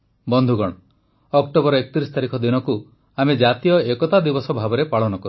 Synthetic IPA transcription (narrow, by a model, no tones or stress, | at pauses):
bɔnd̪ʱuɡɔɽ̃ɔ | ɔkʈobɔɾɔekɔ̥t̪iɾisɔ̥t̪aɾikʰɔd̪inɔku | amed͡ʒat̪ijɔekɔt̪ad̪ibɔsɔbʱabɔɾepaɭɔnɔkɔɾu